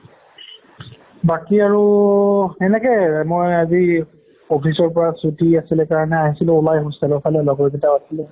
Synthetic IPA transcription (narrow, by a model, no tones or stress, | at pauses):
bakiaɹu | ɛnɛkɛmojazi | opʰisɔɹpɔɹasɹutʰiasilɛkaɹɔnɛaɦisilʊ̃ʊlajɦɔsalɔpʰalɛlɔɡɔɹɡitaasilɛ